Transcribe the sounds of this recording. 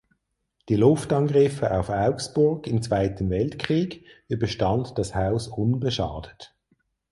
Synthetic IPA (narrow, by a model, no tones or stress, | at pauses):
d̥ilʊftɑnɡʁɪfəʔaʊfaʊksb̥ʊɐɡɪmt͡sv̥aɪtəmvɛltkʁ̥iːɡybəʃtɑntd̥ɑshaʊsʊnbəʃɑ̰ːd̥ət